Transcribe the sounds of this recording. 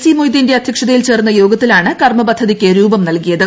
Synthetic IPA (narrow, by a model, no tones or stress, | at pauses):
simojd̪inde̞ɐd̪ʱjɐkʂɐðɐjilt͡ɕe̞ːrnːɐjo̞ːɡɐt̪ːilaːɳɨkɐrmɐbɐd̪ʱːɐðikkʲːɨɾuːbɐmnɐlkijɐðɨ